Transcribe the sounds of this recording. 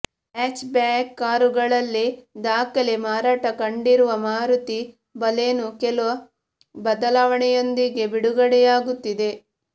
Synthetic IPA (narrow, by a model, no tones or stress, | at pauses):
eːt͡ʃbaːkːaːɾuɡɐɭɐlːid̪aːkɐlemaːɾaːʈɐkɐɳɖiɾuʋɐmaːɾut̪i | bɐleːnukɛluʋɐ | bɐd̪ɐlaːʋɐɳɛjo̞nd̪iɡe̞biɽuɡɐɽɛjaːɡut̪ːid̪e̞